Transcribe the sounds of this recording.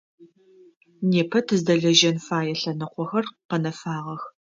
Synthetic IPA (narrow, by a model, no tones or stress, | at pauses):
neːpʰɐtʰɨzdɐɮɐʒɐnfaːjɛɬɐnɨqʷɔxɐrqɐnɐfaːʁɐx